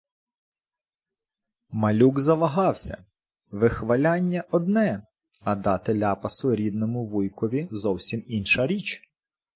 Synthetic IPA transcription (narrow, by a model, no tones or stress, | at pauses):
mɐlʲuɡzɐʋɐɦɑwsʲɐ̰ | ʋɪxʋɐlʲɑnʲːɐʔɔd̪̚nɛ | ɐd̪ɑt̪ɪlʲɑpɐsʊɾʲid̪nɔmʊʋʊjkɔʋʲizɔwsʲiminʃɐɾʲit͡ʃ